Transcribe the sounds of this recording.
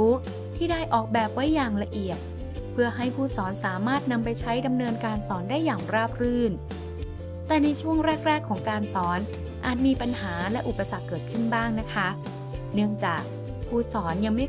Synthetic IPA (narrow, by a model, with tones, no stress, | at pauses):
t̪ʰiː˥˩daː˥˩jʔɔː˨˩k̚bɛː˨˩p̚wa˦˥jːaː˨˩ŋɾa˧ʔi˨˩ət̪̚ | pʰɯ˥˩ɐəɦa˥˩jpʰuː˧˥˩sɔː˩˦nsaː˩˦maː˥˩t̪̚na˧mpa˧jt͡ɕʰa˦˥jda˧mnɤː˧nkaː˧nsɔː˩˦ndaː˥˩jːaː˨˩ŋɾaː˥˩p̚ɾɯː˥˩n | t̪ɛː˨˩na˧jt͡ɕʰu˥˩əŋɾɛː˥˩k̚ɾɛː˥˩kʰːɔː˩˦ŋkaː˧nsɔː˩˦n | ʔaː˨˩t̪̚miː˧pa˧nhaː˩˦lɛ˦˥ʔu˨˩pːa˧sa˨˩kːɤː˨˩t̪̚kʰɯ˥˩nbaː˥˩ŋna˦˥kʰa˦˥ | nɯ˥˩əŋt͡ɕaː˨˩k̚ | pʰuː˧˥˩sɔː˩˦nja˧ŋma˥˩